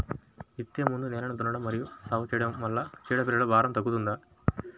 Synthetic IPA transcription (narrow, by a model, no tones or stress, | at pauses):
it̪ːjɐmund̪uneːɾɐɳɐt̪unɐɽɐmːɐɾijusaːʋɐt͡ʃiːɽɐɐlːɐt͡ʃiːɽɐpiɾɐlubʱaːɾɐmt̪ɐɡːut̪und̪a